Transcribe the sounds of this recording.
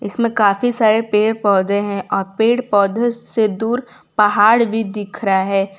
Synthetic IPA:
ɪsmẽkaːfisaːɾepeːɽpɔːd̪eɦɛ̃ʔɔːɾpeːɽpɔːd̪esed̪uːɾ | pɐɦaːɽbʱid̪ɪkʰɾaɦɛː

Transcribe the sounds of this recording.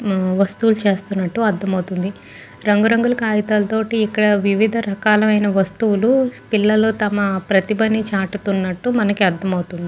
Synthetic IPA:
ʋɐst̪uwlut͡ʃe̞ːst̪unːɐʈːuɐd̪ʱːɐmɐwut̪und̪i | ɾɐŋɡuɾɐŋɡulɐkaːjit̪aːlɐt̪o̞ːʈiːkːɐɽɐʋiʋid̪ʱɐɾɐkaːlɐmɐjnɐʋɐst̪uwulupilːɐloːt̪ɐmɐpɾɐt̪ibɐnit͡ʃaːʈut̪unːɐʈːumɐnɐkiɐd̪ʱːɐmɐwt̪und̪i

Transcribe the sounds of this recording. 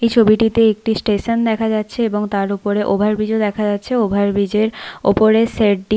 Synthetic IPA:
ejt͡ɕʰobiʈit̪eek̚ʈisʈeʃond̪ɛkʰad͡ʑatːɕʰeeboŋt̪aɾupoɾeʔobʱaɾbid͡ʑod̪ɛkʰad͡ʑatːɕʰeobʱaɾbid͡ʑeɾo̰poɾeseʈ̚ɖi

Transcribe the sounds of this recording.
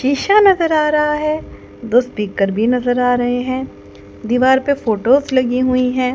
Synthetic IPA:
ʃiːʃanɐzəɾaːɾɐɦaɦɛː | d̪oːspiːkəɾbʱinɐzəɾaːɾɐɦeɦɛ̃ː | d̪iːʋaːɾpefoːʈoːzlɐɡiɦʊiɦɛ̃ː

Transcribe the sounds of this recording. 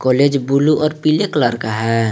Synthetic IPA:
kɔled͡ʒbuluʔɔːɾpileklaɾkaɦɛ

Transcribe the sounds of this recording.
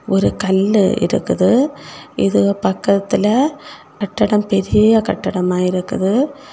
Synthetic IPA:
ɔɾɯkɐlːʔɪ̰ɾɯ̰kːɯðɯɪðɯpɐkːɐt̪ːɪlɐ | kɐʈːɐɽɐmpɛɾɪjɐkɐʈːɐɽɐmaːjɪɾɯkːɯðɯ

